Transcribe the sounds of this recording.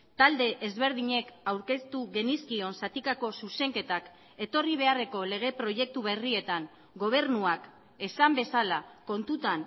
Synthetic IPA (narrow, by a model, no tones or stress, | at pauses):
t̪ald̪e̞ʔezβe̞ɾð̞iɲe̞kawɾke̞st̪uɣe̞niskio̞nsat̪ikako̞suse̞ŋke̞t̪ak | e̞t̪o̞riβ̞e̞are̞ko̞le̞ɣ̞e̞pɾo̞je̞k̚t̪uβe̞rie̞t̪aŋ | ɡo̞β̞e̞ɾnuak | e̞sambe̞salako̞nt̪ut̪an